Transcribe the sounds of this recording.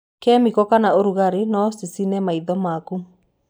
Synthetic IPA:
kɛmikɔkanaoɾuɣaɾenɔsisinɛmaiðɔmaku

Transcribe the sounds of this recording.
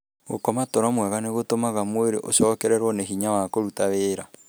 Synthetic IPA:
ɣo̰kɔmatoɾamwɛɣaneɣotomaɣamoeɾḛʔoʃɔːkɛɾɛɾwɔneɦiɲawakoɾutaβeːɾa

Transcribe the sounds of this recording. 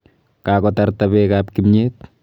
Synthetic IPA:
kaːkɔtɐrtɐβekaːp̚kimɲeːt̚

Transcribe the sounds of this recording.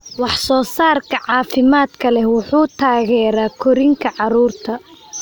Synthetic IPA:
wɑħsɔːsaːrkʰɐʕɑːfɪmaːd̪kʰɐlɛhwʊħuːt̪ʰaːɣɛːɾaːkʰɔɾɪŋkʰɐʕɑɾuːrt̪ʰɐ

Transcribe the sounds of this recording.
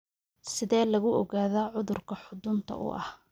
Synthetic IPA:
sɪðɛːlɐɣʊʔɔɣaːðaːʕʊðʊrkʰɐħʊd̪ʊnt̪ʰɐ̰ʔʊ̰ʔɐh

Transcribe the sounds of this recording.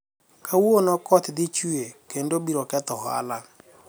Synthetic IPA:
kʰawonɔkɔt̪ɪd̪ɪt͡ʃiekendobiɾɔkɛt̪ɔɦa̰la

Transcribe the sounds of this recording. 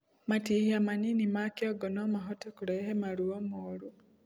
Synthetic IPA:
matihiamaninimakiɔɡɔnɔmaɦɔtɔkuɾɛɦɛmaɾuɔmoɾu

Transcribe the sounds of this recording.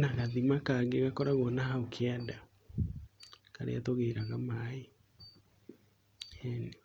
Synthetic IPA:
naɣaðimakaːɡeɣakɔɾaɣɔnaɦaokʰeada | ka̰ɾḛatoɣeːɾaɣamae | hɛne

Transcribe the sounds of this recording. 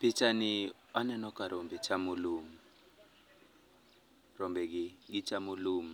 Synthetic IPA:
pʰit͡ʃʰʼaniwanɛnɔkʰʼaɾɔmbɛt͡ʃʰamuluːmu | rɔmbɛkiɡ̬it͡ʃʰamuluːmu

